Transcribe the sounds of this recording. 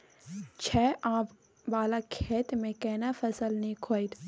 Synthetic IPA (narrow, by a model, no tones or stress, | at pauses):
t͡ʃʰɛːʔãːp | ʋaːlakʰeːt̪mẽkɛːnafɐsəlnĩkʰoːit̪